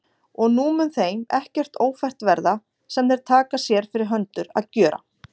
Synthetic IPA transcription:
ɔɣnuːmʏnθejmɛhcɛr̥t̪oːwfɛr̥t̪vɛɾða | sɛmðɛɾ̥t̪ʰaːkasjɛɾ̥fɪɾɪɾɦœnt̪ʏɾa̰ðcœːɾa̰

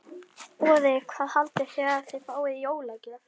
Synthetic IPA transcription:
pɔːðɪkʰvaːðhalt̪ɪ̥fɛːɾaaθɪjfaːwɪðjoːwlacɪða

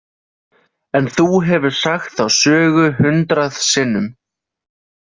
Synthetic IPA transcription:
ɛnθuɦɛvʏɾ̥saxt̪awsœːɣʏhʏnt̪ɾaðsɪnːʏm

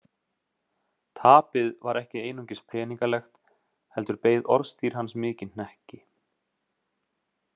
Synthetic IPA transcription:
t̪ʰaːpɪðvaɾɛhcɪeːjnuŋcɪspʰɾɛːniŋkalɛxt̪ | hɛlt̪ʏɾpeːjðɔɾst̪ʰiːɾ̥hɦansmɪːcɪnn̥ɛhcɪ

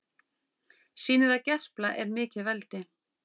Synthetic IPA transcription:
siːnɪðacɛr̥plaʔɛɾmɪːcɪvɛlt̪ɪ

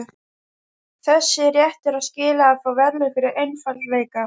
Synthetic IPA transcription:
θɛsːɪɾjɛht̪ɛɾaðscɪːlaːðfawvɛɾlɪfɪɾɪɾejnfalveːjka

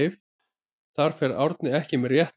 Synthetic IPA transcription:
f | θaɾ̥fɛɾawɾt̪nɪɛhcɪmɛɾjɛht̪

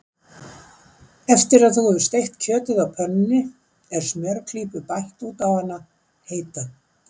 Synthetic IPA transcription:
ɛft̪ɪɾaðθuɣɛɪ̥st̪ejht̪cʰœːt̪ɪðawpʰœnːɪnːɪ | ɛɾ̥smɛɾkʰliːpʏpajht̪uːt̪avanːa | heːjt̪a

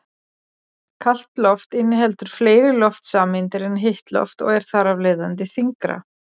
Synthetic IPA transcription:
kʰal̥t̪lɔft̪ɪnːɪɦɛlt̪ʏɾ̥fleːjɾɪlɔft̪saːmɪnt̪ɪɾɛnɦɪht̪lɔ̰ft̪ɔ̰ɣɛɾ̥θaɾavleːjðant̪̬ɪθiŋkɾa̰

